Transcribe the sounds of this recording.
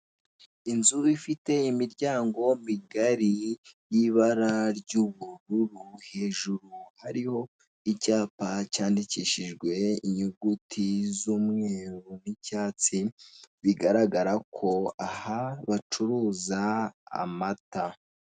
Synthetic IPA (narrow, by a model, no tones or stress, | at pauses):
inzuifite̞imiɾɟaːŋɡo̞miɡaɾijiβaɾaɾɟuβuɾuɾuhe̞ːʒuɾuhaɾiho̞ | icaːpacaːndiciʃiʒɡwe̞iɲuɡutʰizuːmŋe̞ːɾunicaːt͡siβiɡaɾaɡaɾakʰo̞ahaβat͡ʃuɾuːzaa̰mata